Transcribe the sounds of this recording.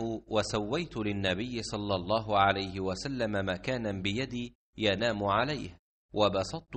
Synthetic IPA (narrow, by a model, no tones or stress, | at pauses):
hʊwʔasawːajt̪ʊlɪnːabɪjːɪsˤɑlːɑlˤːɑːɦʊʕalajhɪwasalːamamakaːnabɪjad̪iː | janaːmʊʕalajh | wʔabɑsˤɑt̪̚ˤː